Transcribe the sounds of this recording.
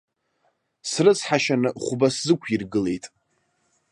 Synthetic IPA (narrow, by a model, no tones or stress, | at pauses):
srɨt͡sʰħaʃanɨχʷbaszɨkʷʰirɡɨle̞jtʼ